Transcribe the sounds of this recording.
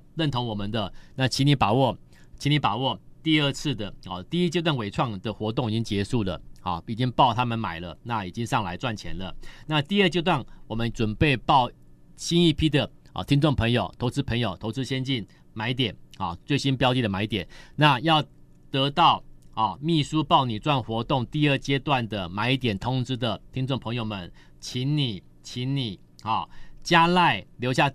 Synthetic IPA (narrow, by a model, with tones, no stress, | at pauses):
ɻə˥˩nt̪ʰo˧˥ŋwɔ˨˩mə˦nd̪ə˨na˥˨t͡ɕʰi˧˥ni˧˥pa˨˩wɔ˥˩t͡ɕʰi˧˥ni˧˥pa˨˩wɔ˥˩t̪i˥˧ə˥˧t͡s̩ʰ˥˩d̪ə˩ɔ˨˩t̪i˥˧i˥t͡ɕjo˥˧t̪wa˥˩nwe˨˩ɪʈ͡ʂʰwɑ˥˩ŋd̪ə˩xwɔ˧˥t̪o˥˩ŋi˨˩t͡ɕi˦˥ŋt͡ɕjɛ˧˥ʂu˥˩lə̰˩xɑ˩i˨˩t͡ɕi˦ŋpɑ˥˩ʊt̪ʰa˥mə˨nma˨˩ɪlə˦na˥˩i˨˩t͡ɕi˦ŋʂɑ˥˩ŋla˧˥ɪt͡swa˥˩nt͡ɕʰjɛ̰˧˦nlə˧na˥˧t̪i˥˧ə˥˧t͡ɕjo˥˧t̪wa˥˩nwɔ˨˩mə˦nʈ͡ʂwə˨˩npe˥˩ɪpɑ˥˩ʊ | ɕi˥ni˥˩pʰi˥d̪ə̰˨˩t̪ʰi˦˥ŋʈ͡ʂo˥˩ŋpʰə˧˥ŋjo˨˩ʊt̪ʰo˧˥ʊt͡sɹ̩˥pʰə˧˥ŋjo˨˩ʊt̪ʰo˧˥ʊt͡sɹ̩˥˦ɕjɛ˥nt͡ɕi˥˩n | ma˨˧˦ɪi˥˩t̪jɛ˨˩nhɔ̰˨˩t͡swe˥˩ɪɕi˦npjɑ˥ʊt͡ɕi˥˩də˩ma˨˩ɪi˥˩t̪jɛ˨˩nna˥˧jɑ˥˩ʊ | t̪ɤ˧˥t̪ɑ˥˩ʊhɔ˨˩mi˥˩su˦pɑ˥˩ʊni˨˩t͡swa˥˩nxwɔ˧˥˦t̪ʊ˥˧ŋt̪i˥˧ə˥˩t͡ɕjɛ˥t̪wa˥˩nd̪ə˩ma˨˩ɪi˥˩t̪jɛ˨˩nt̪ʰʊ˥ŋʈ͡ʂɻ̩˥d̪ə˨t̪ʰi˥ŋt͡so˥˩ŋpʰɤ˧˥ŋjo˨˩ʊmə˨˩n | t͡ɕʰi˧˦nni˨˩ | t͡ɕʰi˧˥nni˨˩ | hɔ˨˩t͡ɕja˥la˥˩ɪljo˧ʊɕja˥˩